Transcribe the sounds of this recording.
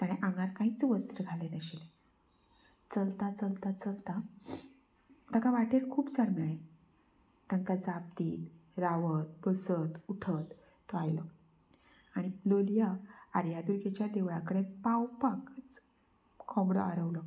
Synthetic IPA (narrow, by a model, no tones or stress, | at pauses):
t̪aɽ̃eʔãŋɡaɾkãɦit͡sʋəst̪ɾəɡʱalənəɕile | t͡səlt̪at͡səlt̪at͡səlt̪a | t̪əkaʋaʈeɾkʰuːpt͡saɽmaɭe | t̪əŋkad͡zap̚t̪iːt̪ɾaʋət̪̚bəsət̪uʈʰət̪ː | oajlɔ | aɽ̃iloljaaɾjad̪uɾɡet͡ɕjad̪eʋɭakəɽepawpakət͡s | kʰɔmbɽɔ̰a̰ɾəʋlɔ